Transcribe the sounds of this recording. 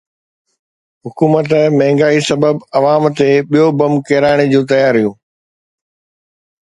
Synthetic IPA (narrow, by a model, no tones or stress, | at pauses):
ɦʊkuːmət̪mɐ̃ɦɪ̃ŋɡaːisɐbəbɐʋaːmt̪eɓijobɐmkɛːɾaːɽ̃ed͡ʑũːt̪̬ɐjaːɾijũː